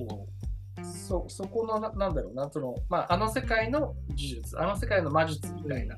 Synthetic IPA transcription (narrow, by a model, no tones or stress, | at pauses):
soso̞ko̞nonanãnd̪aɾo̞ːnasonomaːʔano̞se̞kaino̞d͡ʑiʑɯt͡sɨ̰ano̞se̞kaino̞maʑɨt͡sɨmʲit̪aina̰